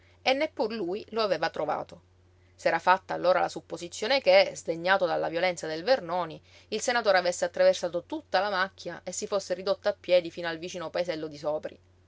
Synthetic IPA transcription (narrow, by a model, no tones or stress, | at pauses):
enːepːurluːjloaveːvat̪ɾova̰ːt̪o | sɛːɾafat̪ːaːlːoːɾa̰la̰supːozit̪sːjoːnekezd̪eɲːaːt̪od̪alːavjolɛnt̪sad̪elvernoːni | ilsenat̪oːɾeavesːeat̪ːɾaversaːt̪ot̪ut̪ːalamakːjaesːifosːeɾid̪ot̪ːaapːjɛːd̪ifiːnoalvit͡ʃiːnopaesɛlːod̪isɔːpɾḭ